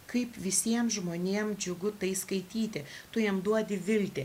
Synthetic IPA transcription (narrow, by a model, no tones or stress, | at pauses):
kɐɪpʋʲɪsʲiɛmʒmoːnʲeːmd͡ʒʲʊɡʊt̪ɐɪskɐɪt̪ʲiːt̪ʲɪt̪ʊjiɛmd̪uɔd̪ʲɪʋʲɪlʲt̪ʲe